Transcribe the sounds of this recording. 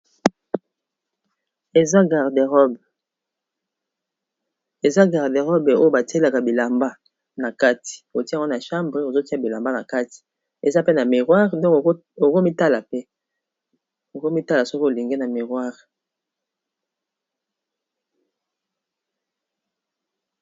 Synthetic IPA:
e˨za˦ɡa˨ʁde˨ʁɔ˦b | e˨za˦ɡa˨ʁde˨ʁɔ˦be˨o˦jo˦ba˨ti˦e˦la˨ka˨bi˨la˨mba˦ | na˨ka˦ti̥˨o˨ti˦˨ŋɡɔ˦na˨ʃa˦mbʁe˦o˨zo˦ti˦a˨bi˨la˨mba˦na˨ka˦ti̥˨ | e˨za˦pe˦na˨mi˨ʁwa˦ʁdɔ̃˦k | o˨ko˦mi˦ta˦la˨pe˦ | o˨ko˦mi˦ta˦la˨sɔ˦ko˦o˨li˨ŋɡe˦na˨mi˨ʁwa˦ʁ

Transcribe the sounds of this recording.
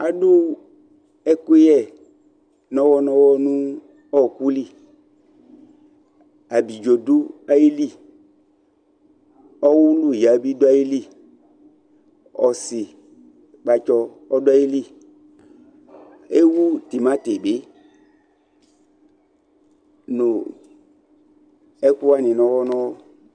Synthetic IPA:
a˨du˦ | ɛ˦ke˦jɛ˦˨ | nɔ˦wɔ˧nɔ˦wɔ˦nũ˦ | ɔ˦˨ku˦li˦˨ | a˨bi˨d͡ʒo˨du˦a˦ji˦li˦˨ | ɔ˦wu˦lu˦˨ja˨˦bi˦du˦a˦ji˦li˦˨ | ɔ˨sɪ˨ | k͡pa˨˧t͡ʃɔ˧ | ɔ˦dʊ˦a˦ji˦li˦˨ | e˦wu˦ti˨ma˦te˨be˨˦ | nʊ˨ | ɛ˦ku˦wa˦˨nɪ˨nɔ˧wɔ˦nɔ̃˦wɔ˦

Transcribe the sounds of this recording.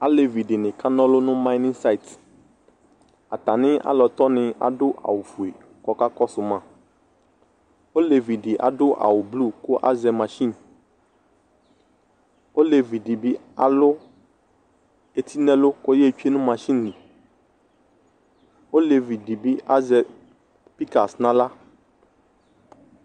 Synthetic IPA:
a˨˦le˨vi˨ɖɪ˨nɪ̃˨ka˦nɔ̃˦lʊ˦nʊ̃˦ma˦ɪ˦nɪ̃˦nsa˦i˨t | a˨t̪a˨nɪ̃˦a̰˦lɔ˨t̪ɔ˦nɪ̃˨a̰˨ɖʊ˦ʔa̰˨wo˨fu˨e˨ | kɔ˦ka˦kɔ˦sʊ˨mã˦ | o˦le˨vi˨ɖi˨ʔa̰˨ɖʊ˦ʔa̰˨wo˨blu˦ko˦ʔa̰˦zɛ˨mã˨ʃi˦n | wo˦le˨vi˨ɖi˨bi˦a˨lʊ˦ | e˨t̪ʰi˦nɛ̃˦lo˦ko˦je˦˨t͡ʃu˦e˦nũ˦mã˨ʃi˦nː˨i˨ | wo˦le˨vi˨di˨bi˦a˦zɛ˨ | pi˦ka˨snã˦la˦

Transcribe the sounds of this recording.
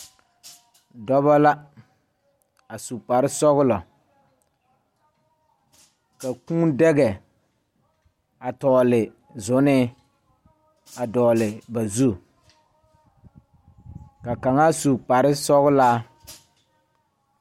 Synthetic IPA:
dɔ˦βa˦la˦ | a˨su˨k͡pa˨ɾɪ˦sɔ˦ɣʊ˦lɔ˨ | ka˨kũː˦dɛ˦ɣɛ˨ | a˨tɔː˨lɪ˨ | zʊ˨˦nɪ˦ | a˨dɔː˨lɪ˨ba˨zu˦ | ka˨ka˨ŋa˦su˨k͡pa˨ɾɪ˦sɔ˦ɣʊ˦laː˦

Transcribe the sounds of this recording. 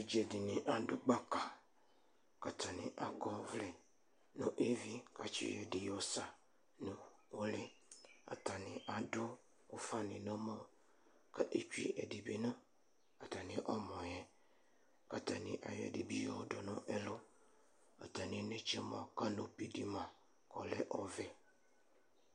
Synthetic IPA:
e˦d͡ʒe˨dɪ˨nɪ̃˨ʔa˨dʊ˦ɡ͡ba˦ka˨ | ka˨t̪a˨nɪ̰̃˨ʔa˨kɔ˦vlɛ˨ | nʊ̃˨ʔe˦vi˦ka˨t͡ʃḭ˦jɛ˨dɪ˨jɔ˨sa˨ | nʊ̃˨ | wo˦lɪ˦a̰˨t̪a˨nɪ̃˨ʔa˨dʊ˦ | o˦fa˦nɪ̃˨nɔ̃˦mə˦ | kə˦ʔe˨t͡ʃᶣḭ˦ʔɛ˨di˨bi˨nə̃˦ | ka˨t̪a˨nɪ̃˦ʔɔ˦mɔ̃˨jɛ˦ | ka˨ta˨nɪ̰̃˨ʔa̰˨jɛ̰˨di˨bi˦jɔ˦dʊ˨nʊ̃˦ʔɛ˦lʊ˦ | a̰˨ta˨nɪ̃˨nẽ˦t͡ʃə˦mã˨ka˦nʊ̃˨pi˨di˦mã˨ | kɔ˨lɛ˦ʔɔ˨vɛ˦

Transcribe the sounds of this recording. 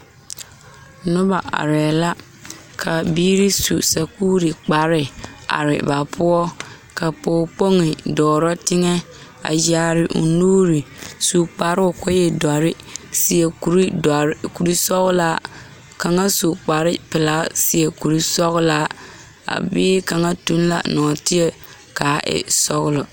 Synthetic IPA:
nʊ˦ba˨ʔa̰˨ɾɛ˨la˦ | kʰa˨biː˦ɾi˦su˨sa˨kuː˦ɾi˨k͡pa˨ɾɪ˦a̰˨ɾɪ̰˨ba˨pʰʊ˦ɔ˦ | ka˨poː˦k͡po˦ŋɪ˨dɔː˨ɾɔ˦tɪ˦ŋɛ˦ | a̰˨ja˨ɾɪ˨ʔṵ˨nuː˦ɾi˨su˨k͡pa˨ɾʊ˨kɔ˦jɛ˨da˨ɾɪ˦ | sɪ˨ɛ˨ku˨ɾi˦˨ku˨ɾi˦sɔ˦ɣʊ˦la˦ | ka˨ŋa˦su˨k͡pa˨ɾɪ˦pɪ˨laː˦sɪ˨ɛ˨ku˨ɾi˦sɔ˦ɣʊ˦la˨ | a̰˨biː˦ka˨ŋa˦tu˦n˦la̰˨nɔː˨tɪ˦ɛ˦ | kaː˨˦ʔɛ̰˨sɔ˦ɣʊ˦lɔ˨

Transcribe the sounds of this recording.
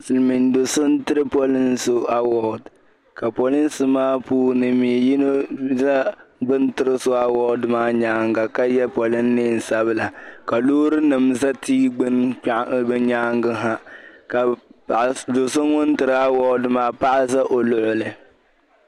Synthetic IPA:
sɨ˨lmi˨ndo˨sʊ˦n˦tɨ˦ɾɨ˦pɔ˦lɨ˦n˦so˦a˨wɔ˨d | ka˨pɔ˨lɪ˦n˦sɨ˨maː˦puː˦nɨ˨mi˨ji˦no˦za˦ɡ͡bɨ˦ntɨ˦ɾɨ˦so˦a˨wɔː˦dɨ˨maː˦ɲaː˦ŋɡa˨ka˦jɛ˦pɔ˨lɨ˦nː˦e˦˨n̩˨sa˦bɨ˦la˨ka˨luː˦ɾɨ˦nɨ˨mza˦tiː˦ɡ͡bn˦bɨ˦ɲaː˦ŋɡɨ˦ɦa˦ka˨ | do˨sʊ˦ŋʊ˦n˦tɨ˨ɾɨ˨a˦wɔ˦dɨ˨maː˨pa˦ʔa˦sa˦ʔo˨lʊ˨ʔʊ˨lɨ˨

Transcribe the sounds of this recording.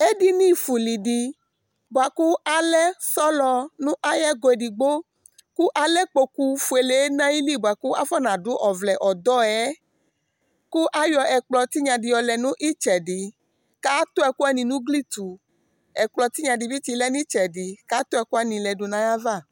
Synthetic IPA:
e˦di˦nĩ˦fu˨li˨di˨ | bu˨a˨ku˦a˦lɛ˦sɔ˦lɔ˧nũ˦ʔa˦jɛ˦ɡo˨ɛ˨di˨ɡ͡bo˦ | ku˦ʔa˨lɛ˦k͡po˧ku˦fu˨e˨le˨e˦nã˦ji˦li˦˨ba˨ku˦a˦fɔ˦nã˨dʊ˦ʔɔ˨vlɛ˨ʔɔ˨d̪ɔ˦ɛ˦ | ku˦ʔa˦jɔ˧ɛ˨k͡plɔ˨t̪i˦ɲã˨di˨jɔ˨lɛ˨nũ˦ʔi˦t͡ʃɛ˨di˨ | ka˦t̪ʊ˦ɛ˧ku˦ɛ˦nĩ˨nũ˦ɡli˦t̪u˨ | ɛ˨k͡plɔ˨t̪i˦ɲã˨di˨bi˦t̪i˧˦lɛ˦nĩ˦t͡ʃɛ˨di˨ka˦t̪ʊ˦ɛ˧ku˦a˦nĩ˨lɛ˨dʊ˨nã˨ja˦va˦˨

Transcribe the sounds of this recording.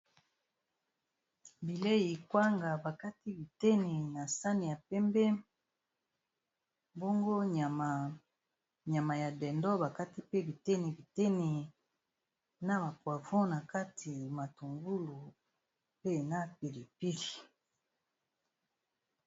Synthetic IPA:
bi˨le˦ji˨kwa˦ŋɡa˨ba˨ka˦ti˦bi˨tɛ˦ni˨na˨sa˦ni˨ja˨pɛ˦mbɛ˦ | mbo˦ŋɡo˦ɲa˨ma˨ | ɲa˨ma˨ja˨dɛ˨ndɔ˦ba˨ka˦ti˦pe˦bi˨tɛ˦ni˨bi˨tɛ˦ni˨ | na˦ba˨kwa˨vɔ̃˦na˨ka˦tʰi˨ma˨tu˨ŋɡu˦lu˨ | pe˦na˦p̚i˨li˨pi˦li˨

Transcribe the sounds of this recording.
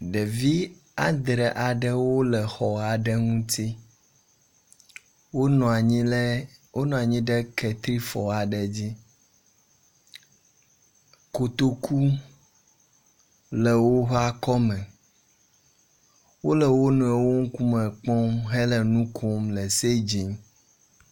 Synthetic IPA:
ɖe˨vi˦ | a˨d̪ɾɛ˨ʔa˨ɖɛ˦wo˦lɛ˨xɔ˨a˨ɖɛ˦ŋũ˦t̪ʰi˦ | wo˦nɔ̃˨˦wo˦nɔ̃˨a˨ɲĩ˦ɖe˦kɛ˨t̪ɾi˦fɔ˨a˨ɖɛ˨d͡ʑi˦ | ko˨t̪o˨kʰu˦ | lɛ˨wo˦ɦa˦kɔ˦mɛ̃˨ | wo˦lɛ˨wo˦nɔ̃˨e˨wo˦ŋ̩˦ku˦mɛ̃˨k͡pɔ̃˦mɦe˦lɛ˨nũ˦kʰo˦mlɛ˨se˦d͡ʑi˨n

